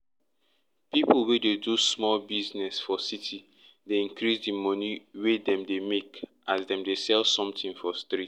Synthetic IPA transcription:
piplwededusmɔlbiznɛsfɔsitʰi | deĩŋkɾisdimɔniwedɛ̃mdemek | azdɛ̃mdesɛlsɔ̃mtĩnfɔstɾit

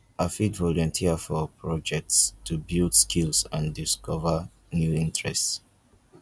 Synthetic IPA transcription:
afitvɔlɔ̃ntʰiəfɔpʰɹɔd͡ʒɛk̚tstʰubildskʰilsãndiskʰɔvə | njuĩntʰɹɛst

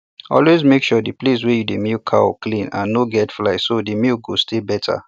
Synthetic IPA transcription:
ɔ̰lwezmekʃɔdiples̬wɛjudemilkʰa̰w̰klĩnã̰nːoɡɛtflaɪsodimilɡostʰebɛtʰa̰

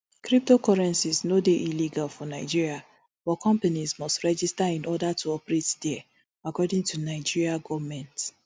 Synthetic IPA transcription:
kɹip̚tokɔɹɛ̃nsiznodeʔiliɡalfɔnaɪd͡ʒiɹia | bɔkʰɔ̃mpanizmɔstɹɛd͡ʒistaĩnʔɔdatʰuɔpɛɹetdɛ | akɔdĩŋtunaɪd͡ʒiɹiaɡɔvmɛ̃nt

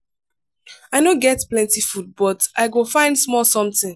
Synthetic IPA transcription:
aɪnoɡɛtplɛ̃ntifud̚bɔtaɪɡofãɪ̃ndsmɔlsɔ̃mtɪ̃ŋ

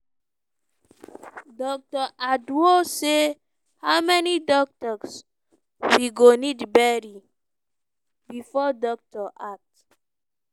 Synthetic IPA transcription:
dɔk̚tɔʔadwose | haʊmɛnidɔk̚tɔs | wiɡonidbɛɾi | bifɔdɔk̚tɔʔak̚t

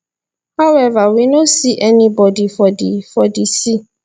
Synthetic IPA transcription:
haʊɛvawinõsiʔɛnĩbɔdifɔdifɔdisi

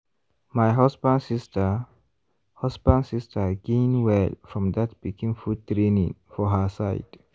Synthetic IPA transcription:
majɦɔsbãndsistə | hɔsbãndsistʰəɡẽnwɛlfɹɔ̃mdatbikĩŋfultɹenḭ̃ŋfɔɦəsaɪd̥

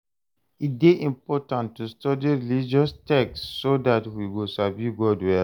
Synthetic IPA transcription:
it̚deʔĩmpɔtãntːustɔdiɹilid͡ʒɔstɛksːodatwiwisavjuɡɔdwɛ

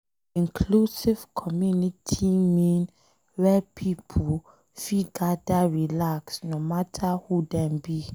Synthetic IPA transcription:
ĩŋkʰlusivkʰɔmjunitʰimĩn | wɛpʰipʰu | fiɡadaɹilaksnomatʰahudɛ̃mbi

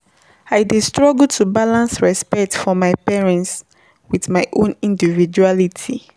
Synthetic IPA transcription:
aɪdistɹɔɡl̩ˠtʰubalãnsɹɛspɛtfɔmaɪpɛɹɛ̃nts | wiθmaɪʔõnĩndivid͡ʒualitʰi

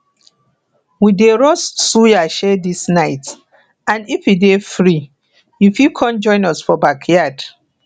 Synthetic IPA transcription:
wideɹɔsːujaʃɛdisnaɪt | ãnifjudefɹi | jufikʰɔ̃nd͡ʒɔ̃ɪ̃nɔsfɔbakʰjad̥

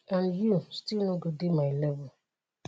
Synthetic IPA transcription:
ãnjustilnɔɡodemaɪlɛvʊ

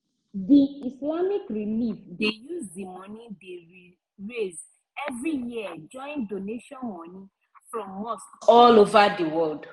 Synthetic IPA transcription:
diislamikɾilifdejuzdimɔ̃nĩde | ɹez | ɛvɾijiad͡ʒɔ̃ɪ̃ndoneʃɔ̃nmɔ̃nĩ | fɾɔ̃mːostɔlovadiwɔld

